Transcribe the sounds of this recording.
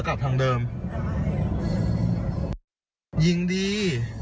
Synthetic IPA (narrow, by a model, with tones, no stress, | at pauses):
ka˨˩p̪̚ʰa˧ŋdɤː˧m | ji˧ŋdiː˧